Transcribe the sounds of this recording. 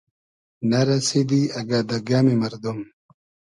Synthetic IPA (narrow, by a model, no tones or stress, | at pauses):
nɐɾɐsid̪iɐɡaːd̪ɐɡaːmimɐɾd̪um